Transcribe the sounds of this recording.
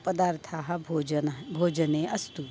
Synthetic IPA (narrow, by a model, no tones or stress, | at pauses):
pɐd̪aːɾt̪ʰaɦɐ | bʱoːd͡ʒəneːʔɐst̪u